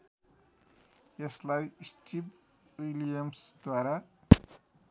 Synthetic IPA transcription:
jeslajsʈib | ilijamsd̪waɾa

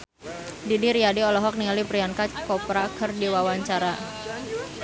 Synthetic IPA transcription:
didiɾiadiɔlɔɦɔk̚niŋalipɾijankakɔpɾakərdiwawaɲt͡ʃaɾa

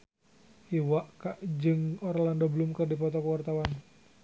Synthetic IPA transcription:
ʔiwaʔkaʔd͡ʒɨŋɔɾalandɔbəlumkɨrdipɔt̪ɔkəwart̪awan

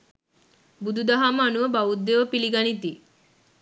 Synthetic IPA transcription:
bud̪ʱud̪aɦaməːnuʋəbaud̪ːeʋəpiliɡanit̪i

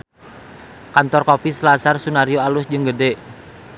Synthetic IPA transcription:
kant̪ɔrkopisəlasarsunaɾioalʊsd͡ʒɨŋɡəde

